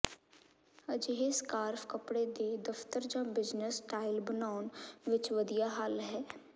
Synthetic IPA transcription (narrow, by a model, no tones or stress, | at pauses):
əd͡ʒɦeːskaːɾfkəpɽed̪ed̪ɐft̪əɾd͡ʒãːbɪd͡ʒnəsʈaːɪlbənaːʊnʋɪt͡ʃʋəd̪ijaɦaːlɦɛː